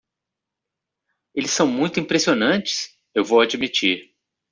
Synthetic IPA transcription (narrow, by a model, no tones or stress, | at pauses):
elɪsːɐ̃w̃mũj̃t̪ʊĩpɾesionɐ̃t͡ʃɪ̥s | ewvowad͡ʒimit͡ʃiɾ